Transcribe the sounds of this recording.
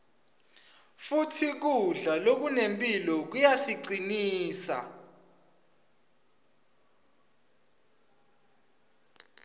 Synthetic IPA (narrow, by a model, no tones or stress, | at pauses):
futʰik̬uɮalok̬unempʼilɔk̬ujasiǀiniːsa̰